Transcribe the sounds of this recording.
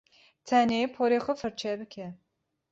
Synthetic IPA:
t̪ʰɛneːpʰoɾexʊfɨɾt͡ʃʰɛbɨkʰɛ

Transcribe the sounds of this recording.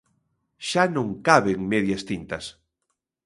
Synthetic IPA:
ʃanõŋkaβeŋmeðjɐst̪int̪ɐs

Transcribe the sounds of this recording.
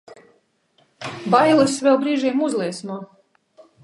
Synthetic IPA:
bajlˠɨsvʲɛlˠbɾiːʒijmuzlˠiɛsnuɔ

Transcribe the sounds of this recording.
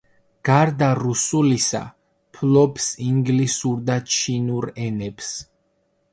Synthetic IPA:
ɡ̥aɾd̪aɾusulisa̰ | pʰlɔbsiŋɡlisuɾd̪at͡ʃʰinuɾɛnɛbs

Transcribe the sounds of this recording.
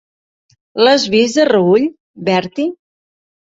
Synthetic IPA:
ləzβizðərəuʎ | βɛɾt̪i

